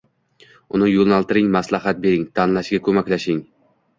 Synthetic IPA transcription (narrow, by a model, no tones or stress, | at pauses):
ʊnɪjolˠnɑlˠt̪ɪɾɪŋmaslˠahat̪̚be̞ɾɪŋt̪ʰɑnlˠaʃɡʲakʰɵmækʲlaʃɪŋ